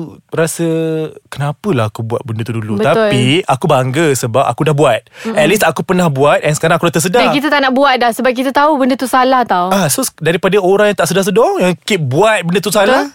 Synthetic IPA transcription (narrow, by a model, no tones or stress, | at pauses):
ɾasəkənapəlahakubuat̪̚bəndət̪udulutbət̪apiakubaŋɡəsəbapa̰kudahbuat̪̚ɛt̪̚lisakupərnahbuat̪̚ʔɛnsə̥kaɾaŋakudat̪əs̬ədaahkit̪at̪aʔnaʔbuat̪̚dahsəbap̚k̬it̪at̪aubəndət̪usalaht̪awasodaɾipadəoɾaŋjãŋt̪aʔsədahs̬ədɔŋjaŋkiʔ̚buat̪̚bəndət̪usala